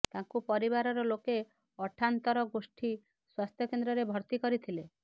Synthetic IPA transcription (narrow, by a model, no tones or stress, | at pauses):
t̪ãŋkupɔɾibaɾɔɾɔloke | ɔʈʰant̪ɔɾɔɡosʈʰi | swast̪ʰjɔkend̪ɾɔɾebʱɔɾt̪ikɔɾit̪ʰile